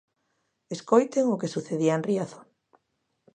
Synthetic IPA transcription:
eskojt̪eŋʊkesuθeðiaenriaθo̥

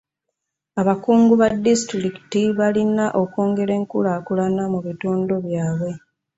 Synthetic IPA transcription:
aβakuːŋɡuβadːistɾiki̥tiβalinaʔo̞ko̞ːŋɡe̞ɾe̞ːŋkulaːkulanamuβitoːndo̞βjaːβwe̞

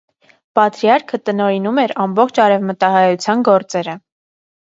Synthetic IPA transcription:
pɑt̪ɾjɑɾkʰət̪ənɔɾinumɛɾɑmbɔχt͡ʃʰɑɾɛvmət̪ɑɦɑjut͡sʰjɑnɡɔɾt͡sɛɾə

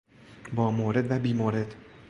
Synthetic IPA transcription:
bɒːmoːɾed̪væbiːmoɾed̪

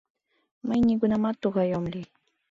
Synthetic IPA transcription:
majɲɪkʊnamat̪oɢɑjomlɪ

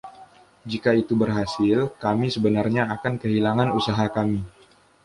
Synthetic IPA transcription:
d͡ʒikait̪ubərɦasɪlkamisəbənarɲaːkankəɦilaŋanusaɦakami

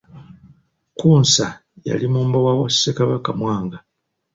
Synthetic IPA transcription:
kuːnsa | ja̰limuːmbowawassekaβakamwaːŋɡa

